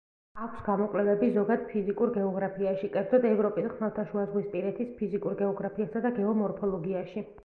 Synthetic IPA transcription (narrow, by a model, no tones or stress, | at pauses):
akʰsɡamɔkʼlɛvɛbizɔɡad̪̥pʰizikʼuɾɡɛɔɡɾapʰiaʃikʼɛɾd̪zɔd̪ɛvɾɔpʼisχmɛlˠt̪ʰaʃuazʁwispʼiɾɛt̪ʰispʰizikʼuɾɡɛɔɡɾapʰiasad̪aɡɛɔmɔɾpʰɔlˠɔɡiaʃi